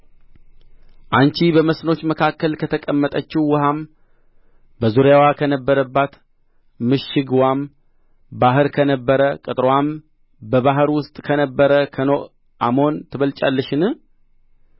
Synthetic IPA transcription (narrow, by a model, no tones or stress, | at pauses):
ʔant͡ʃibəməsno̞t͡ʃːməkʰakːəlkʰət̪ʰəkʼəmːət̪ʼət͡ʃːɪwɨham | bəzuɾjawakʰənəbːəɾəbːat̪ | mɨʃɪɡwam | baɦɨɾkʰənəbːəɾəkʼɨt̪ʼɾwam | bəβaɦɨɾwʊst̪ʼkʰənəbːəɾəkʰənoʔ | ʔamo̞nt̪ʰɨβəlt͡ʃʼa̰lːəʃɪnɨ